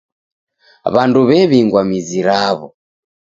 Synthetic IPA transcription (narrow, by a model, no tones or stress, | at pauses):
βanduβɛβiŋɡwamiziɾaβɔ̰